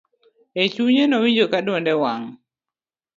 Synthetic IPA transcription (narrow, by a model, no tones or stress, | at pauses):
et͡ʃuɲenɔwiɲd͡ʒokadwɔndɛwaŋ